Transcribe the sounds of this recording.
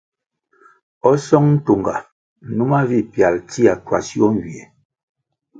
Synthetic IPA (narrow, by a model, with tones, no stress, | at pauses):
ɔ˦sɔ˦ŋn̩˦to˨ŋɡa˨ | nu˦ma˦vi˦˨pja˨lti˦a˨twa̰˨sjɔ˦ŋ˨ɡi˨e˨